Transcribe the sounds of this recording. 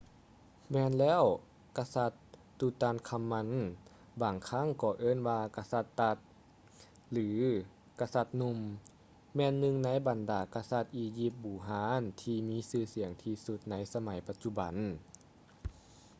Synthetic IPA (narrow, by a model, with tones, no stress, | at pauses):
mɛː˧˨nlɛː˥˨w | ka˧sa˧t̪ː | uː˧t̪aː˧˨nkʰa˧mːa˧n | baː˨˩ŋkʰa˧˥˨ŋkɔː˧˩ʔɤː˧˥˨nwaː˧ka˧sa˧t̪ːa˧t̪̚ | lɯː˨˦ | ka˧sa˧t̪̚nu˧m | mɛː˧˨nːɯ˧ŋna˧˥˨jba˨˩ndaː˨˩˦ka˧sa˧t̪̚ʔiː˧ji˧˩p̚buː˨˩ɦaː˧˦nt̪ʰiː˧miː˧˥˨sɯː˧˩si˨˩˦əŋt̪ʰiː˧su˧˦t̪̚na˧˥jsa˧ma˨˩˦jpa˧t̪̚t͡ɕu˧˩ba̰˨˩˦n